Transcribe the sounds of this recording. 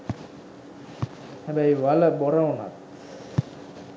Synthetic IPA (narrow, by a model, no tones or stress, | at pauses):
hɛbæjʋaləboɾauna̰t̪